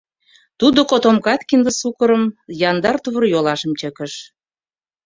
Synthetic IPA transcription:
t̪ud̪okot̪omkɑt̪kind̪ə̆sukəɾə̆mjɑnd̪ɑrt̪uβərjolɑʃə̆mt͡ɕə̆kə̆ʃ

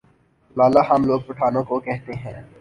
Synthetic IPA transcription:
laːlaɦɐmloːɡ̚pɐʈʰaːnõkokɛɦt̪eɦɛ̰̃ː

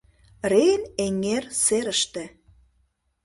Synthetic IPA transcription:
reneŋerseɾə̆ʃt̪ĕ

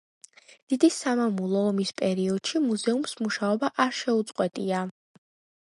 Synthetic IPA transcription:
d̪̥id̪isamamulˠɔːmispʼɛɾiɔd̪̥ʃimuzɛumsmuʃaɔbaʔaɾʃɛut̪sʼqʼwɛt̪ʼia

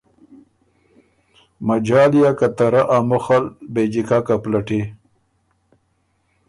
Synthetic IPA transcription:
mad͡ʒɑːlijakat̪aɾaʔamʊxalbed͡ʒikakaplaʈe

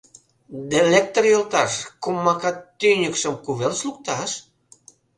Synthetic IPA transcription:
d̪elek̚t̪orjolt̪ɑʃkumːɑkɑt̪ːynʲəkʃə̆mkuβelsluk̚t̪ɑʃ

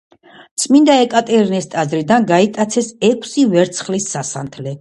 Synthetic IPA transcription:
t̪sʼmind̪aɛkʼat̪ʼɛɾnɛst̪ʼazɾid̪anɡait̪ʼat̪sʰɛsɛkʰsivɛɾt̪sʰχlisːasant̪ʰlɛ

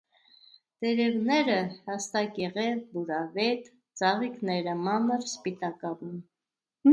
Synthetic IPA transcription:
d̪ɛɾɛvnɛɾəhɑst̪ɑkɛʁɛvbuɾɑvɛt̪ | d͡zɑʁiknɛɾəmɑməɾspit̪ɑkɑvum

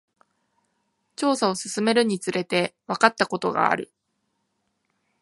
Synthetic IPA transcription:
t͡ɕo̞ːsao̞sɨsɨme̞ɾɯ̟ɲ̟it͡sɨɾʔe̞t̪e̞βakat̪ːako̞t̪o̞ɡa̰ːɾɯ̟̰

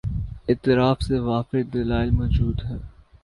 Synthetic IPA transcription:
ɪt̪ɪɾaːfseʋaːfɪd̪ɐlaːɪlmɔːd͡ʒuːd̪ɦɛː

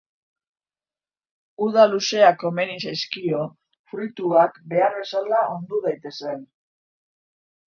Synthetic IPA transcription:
uðaluse̞akome̞nisajskio̞ | fɾujt̪uakbe̞aɾβe̞salaʔo̞nd̪uðajt̪e̞se̞n

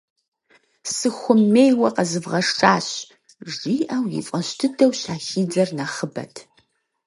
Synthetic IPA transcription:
sɨxʷʊmːeːjwɐqɐzɨvʁɐʂʈ͡ʂʼaːɕ | ʒiːʔɐwjɪ̰fʼɐɕtʰɨdʰɐwɕaːxiːd͡zɐrnaχəbɐ̰tʰ

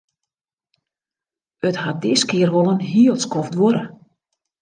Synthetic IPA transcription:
əthat̚dɪskɪərʋolənɦiːəlˠtskɔfdʋoɾə

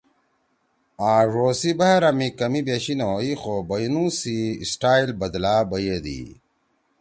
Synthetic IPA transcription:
aːʐoːsibɐɦɐɾɐmikɐmibeɕinɐwoixobɐjnũːsisʈaːilbɐd̪laːbɐjed̪ḭ

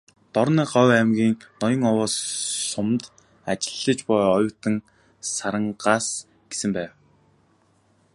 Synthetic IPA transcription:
t̪ɔɾniːɢɔwæmɡʲiːŋnɔjɞ̆ŋɔwɔːsːʊmt̪ | at͡ɕɪ̆ɮːə̆t͡ɕpɔjɔjʊwt̪ə̆ŋ | saɾə̆ɴɢaːs | ɡ̥e̥sɘ̆mpæːw

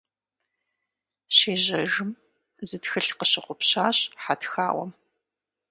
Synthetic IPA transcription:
ɕeːʑɐʒɨm | zɨtxɨɬqəɕɪqʷʊpɕaːɕħatxa̰ːwʷɔ̰m

